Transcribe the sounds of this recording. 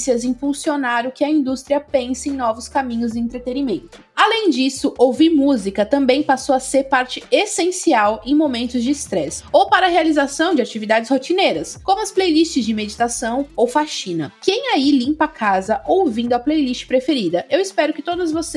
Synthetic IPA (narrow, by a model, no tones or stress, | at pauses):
siɐzĩpulsionaɾʊkɪɐĩnd̪ust̪ɾiɐpẽsɪẽj̃nɔvʊskamĩɲʊzd͡ʒɪẽnt̪ɾet̪enimẽnt̪ʊ̥ | alẽj̃d͡ʒisʊʔowviɾmuzikɐt̪ɐ̃mbẽj̃pasowɐseɾpaɾt͡ʃɪesẽsiawẽj̃momẽnt̪ʊzd͡ʒɪːst̪ɾɛsowpaɾɐhealizasɐ̃w̃d͡ʒɪat͡ʃivid̪ad͡ʒɪshot͡ʃineɾɐskõmʊɐsplejlist͡ʃɪzd͡ʒɪmed͡ʒit̪asɐ̃w̃owfaʃĩnɐ̰kẽj̃ailĩpakʰazɐʔowvĩnd̪ʊɐplejlist͡ʃɪ̥pɾefeɾid̪ɐʔewispɛɾʊkɪt̪od̪ɐzvose